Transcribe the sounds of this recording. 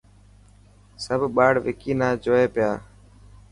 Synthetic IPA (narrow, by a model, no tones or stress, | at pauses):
səbʱɓaːɽʋɪkiːnaːd͡ʒoːeːpɪjaː